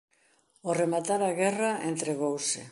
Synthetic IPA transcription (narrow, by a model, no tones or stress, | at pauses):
oremat̪aɾaɣɛraent̪ɾeɣowsɪ̰